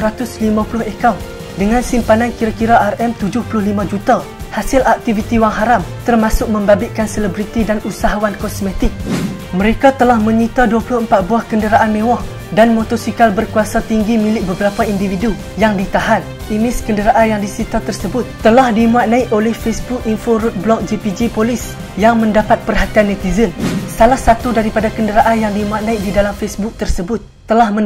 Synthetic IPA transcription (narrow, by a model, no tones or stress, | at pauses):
ɾat̪ʊslimãpulʊhekaw | dəŋãnsimpanankiɾakiɾaʔarɛmt̪ud͡ʒʊhpulʊhlimãd͡ʒut̪a | hasɪlʔak̚t̪ivit̪iwaŋɦaɾamt̪ərmasʊk̚mə̃mbabɪkanselɛbɾit̪idanusaɦawankɔsmẽt̪ɪk̚məɾekat̪əlahmə̃ɲit̪aduapulʊhəmpat̪̚buahkəndəɾaʔanmẽwɔh | danmot̪ɔsikalbərkuasat̪iŋɡimĩlɪk̚bəbəɾapaindividu | jaŋdit̪aɦan | imɪskəndəɾaʔanjaŋdisit̪at̪ərsəbʊt̪̚ːəlahdimuat̪̚nãɪʔolɛhfesbuk̚infoɾut̪̚blɔk̚d͡ʒipid͡ʒipolis | jaŋmə̃ndapat̪̚pərɦat̪ianːɛt̪izənsalahsat̪udaɾipadakəndəɾaʔanjaŋdimũat̪̚nãik̚didalamfesbʊk̚t̪ərsəbʊt̪̚ːəlahmə